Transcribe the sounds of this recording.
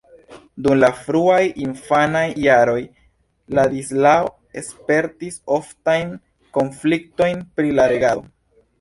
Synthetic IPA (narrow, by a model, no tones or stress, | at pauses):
dumlafɾuajinfanajːaɾo̞j | ladislao | e̞spe̞ɾtiso̞ftajn | ko̞nflik̚to̞jnpɾilaɾe̞ɡao̰